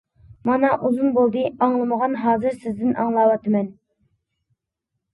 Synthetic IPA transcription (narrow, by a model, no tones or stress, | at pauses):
mɑnɑʔuzunbolˠd̪ɨɑŋlˠɨməʁɑnɦɑːzɨɾsɪzd̪ɪnʔɑ̰ŋlˠɑwɑt̪ʰɨmɛn